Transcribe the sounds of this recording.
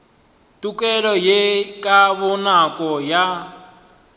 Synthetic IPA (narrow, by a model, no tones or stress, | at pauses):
tʼukʼɛɺɔjekʼaβɔnakʼɔja